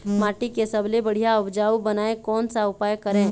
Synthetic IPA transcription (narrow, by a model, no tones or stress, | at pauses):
maːʈikesɐblebɐɽ̤ijaʊbd͡ʒaːubɐnaːekɔːnsaʊpaːjkəɾẽː